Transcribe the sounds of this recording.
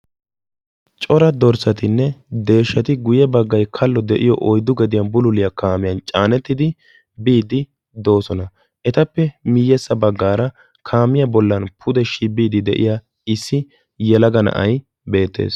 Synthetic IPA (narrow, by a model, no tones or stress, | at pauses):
t͡ʃʼɔɾɐd̪ɔɾsɐt̪ɪnːɛd̪e̞ːʃːɐt̪ɪɡʊjɛbɐɡːɐjkʰɐlːɔd̪ɛʔɪjɔʔɔjd̪ʊɡɛd̪ɪjɐnbʊlʊlɪjɐkaːmɪjɐnt͡ʃʼaːnɛt̪ːɪd̪ɪ | biːd̪ɪ | d̪o̞ːsɔnɐ | ʔɛt̪ɐpːɛmɪjːɛsːɐbɐɡːaːɾɐ | kʰaːmɪjɐbɔlːɐnpʰʊd̪ɛʃibiːd̪ɪd̪ɛ̰ʔɪ̰jaː | ɪsːɪ | jɛlɐɡɐnɐ̰ʔɐj | be̞ːt̪ːḛːs